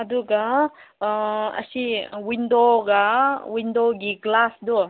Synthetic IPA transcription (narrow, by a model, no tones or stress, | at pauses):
ɐd̪uɡa | ɐ̰siwind̪oɡawind̪oɡiɡlasd̪u